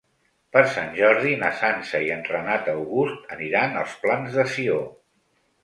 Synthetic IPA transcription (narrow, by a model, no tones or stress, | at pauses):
pəɾsanʲʒɔɾðinəsansəiənrənat̪əwɣust̪əniɾanəlˠsplanzðəsio